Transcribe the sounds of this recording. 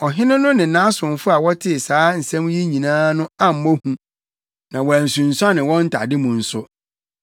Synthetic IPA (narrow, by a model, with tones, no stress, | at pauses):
ɔ˨ɦɪ̃˦nʊ̃˦nʊ̃˦nɪ̃˨nã˦sʊ̃˨n˨fʊ˦a˨wɔ˦tʰɪ˦˨saː˨˦n̩˨sɛ̃˦m˦ji˦ɲĩ˨nãː˦nʊ̃˦a˦m̩˨mo˦hũ˦ | nã˨wɔ˨æ˨n̩˨sũ˨n̩˨sʊ˦a˦nɪ̃˨wɔ̃˦n̩˦tʰa̰˨dɪ˦mʊ̃˨n̩˨sʊ˦